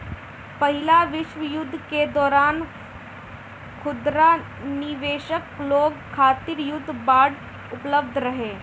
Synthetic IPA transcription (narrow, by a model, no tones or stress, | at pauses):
pɐɦɪlaʋɪʃʋəjʊd̪ʱːked̪ɔːɾaːn | kʰʊd̪ɾa | nɪʋeːʃəkloːɡkʰːaːt̪iɾjʊd̪ʱːbaːɽ | ʊpləb̚d̪ʱɾɐɦeː